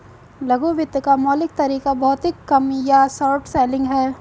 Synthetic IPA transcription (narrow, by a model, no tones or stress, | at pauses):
lɐɡoːʋɪd̪kamɔːlɪk̚t̪ɐɾiːkabɔːt̪ɪkːɐmjasɔːʈseːlɪ̃ŋɡɦɛː